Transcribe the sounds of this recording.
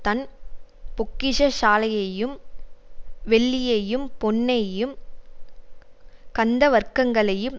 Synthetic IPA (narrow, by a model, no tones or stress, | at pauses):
t̪ɐn | pʊkːɪʂɐʃaːlɐjɐjɯm | ʋɛɭːɪjɐjɯmpɔnːɐjɯm | kɐnd̪ɐʋɐɾkɐŋɡɐɭɐjɯm